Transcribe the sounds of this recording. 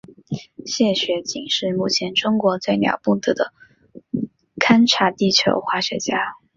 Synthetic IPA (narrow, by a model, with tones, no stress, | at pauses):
ɕjɛ˥˩ɕɥɛ˧˥t͡ɕi˨˩ŋʂɻ̩˥˧mu˥˩t͡ɕʰjɛ˧˥nʈ͡ʂʊ˥ŋkwɔ˧˥t͡swe˥˩ɪnjɑ̰˨˩ʊpu˥˩t̪ɤ˨˥˩d̪ə˩ | kʰa˥nʈ͡ʂʰa˧˥t̪i˥˩t͡ɕʰjo̰˧˥ʊxwa˥˩ɕɥɛ̰˧˥t͡ɕja˥